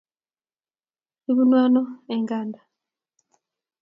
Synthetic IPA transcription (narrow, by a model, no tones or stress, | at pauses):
iβunwaːnoeŋɡaːnda